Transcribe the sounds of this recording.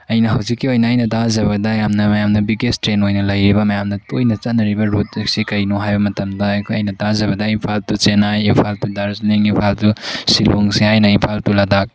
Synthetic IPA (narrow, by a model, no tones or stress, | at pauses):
ɐjnɐɦɐwzikːiojnɐɐjnɐtazɐβɐdɐjamnɐmɐjamdɐbiɡestɾenojnɐlɐjɾibɐmɐjamdɐtojnɐt͡ʃanːɐɾibɐɾut̚ksikɐjnoɦajbɐmɐtɐmdɐɐjnɐtazɐβɐdɐimpʰaltut͡ʃenajimpʰaltudaɾzniŋimpʰaltusiloŋsihajnɐimpʰaltuladak̚